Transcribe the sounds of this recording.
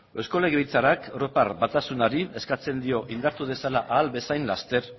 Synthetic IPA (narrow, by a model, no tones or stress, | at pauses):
e̞sko̞le̞ɣeit͡saɾakro̞paɾbat̪asunaɾie̞skat͡se̞nd̪io̞ʔind̪aɾt̪uð̞e̞salaʔaːlbe̞sajnlast̪e̞ɾ